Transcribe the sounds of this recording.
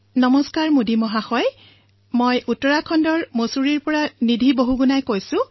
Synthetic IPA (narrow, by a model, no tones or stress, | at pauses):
nɔmɔskaɹmudimɔɦaxɔj | mojʔutːɔɹakʰɔndɔɹmosuɹiɹpɔɹanidʱiboɦuɡunajkojsʊ̃